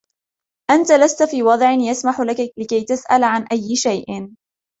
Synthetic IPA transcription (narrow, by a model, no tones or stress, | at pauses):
ʔant̪alast̪afiːwɑd̪ˤʕɪnjasmaħlakalɪkajt̪asʔalʕanʔajːɪʃajʔɪ